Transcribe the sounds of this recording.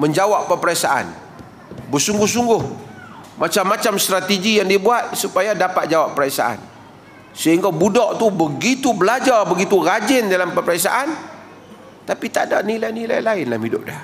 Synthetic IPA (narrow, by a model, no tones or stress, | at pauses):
məɲd͡ʒawapːəpəɾasa̰ʔa̰n | bərsuŋɡʊhs̬uŋɡʊhmat͡ʃamːat͡ʃamst̪ɾat̪iɡijaŋdibuat̪̚supajadapat̪̚d͡ʒawapːəɾasa̰ʔa̰n | səɦiŋɡabudɔʔt̪ubəɡit̪ubəlad͡ʒarbəɡit̪urad͡ʒɪndalampəpɾasa̰ʔan | t̪apit̪adanilajnila̰jlaɪnlamhidʊ̰p̚dah